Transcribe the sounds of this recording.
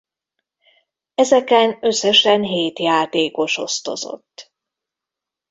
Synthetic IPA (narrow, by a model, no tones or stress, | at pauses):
ɛzɛkɛnøsːɛʃɛnɦeːt̪jaːt̪eːko̞ʃo̞st̪o̞̰zo̰t̪ː